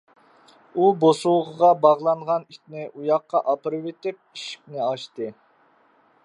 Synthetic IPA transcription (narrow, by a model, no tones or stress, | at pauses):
ubosuwʁəʁɑbɑʁlˠɑnʁɑnit̪nɪʔujɑqːɑʔɑpɨɾɨwet̪ɪp̚iʃi̥k̚ʲnɪɑʃt̪ɨ